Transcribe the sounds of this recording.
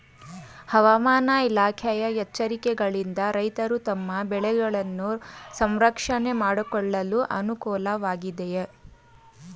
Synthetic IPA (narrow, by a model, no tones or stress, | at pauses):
hɐʋɐmaːnɐilaːkʰɛjɐjɛt͡ʃːɐɾikɛɡɐɭind̪ɐɾɐjt̪ɐɾut̪ɐmːɐbɛɭɛɡɐɭɐnːusɐmɾɐkʂɐne̞maːɽukɔɭːɐluʔɐnukɔːlɐʋaːɡid̪eje